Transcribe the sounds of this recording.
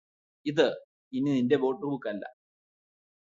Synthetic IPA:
iðɨ | inininde̞bo̞ːʈːukukːɐlːɐ̰

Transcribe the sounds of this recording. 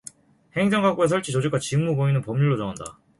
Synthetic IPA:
he̞ŋd͡ʑʌŋɡak͈ues̬ʰʌɭt͡ɕ͈ʰit͡ɕod͡ʑik͈ʰwat͡ɕimːuɡoinɯnpʌmɲuɭːot͡ɕʌŋanda̰

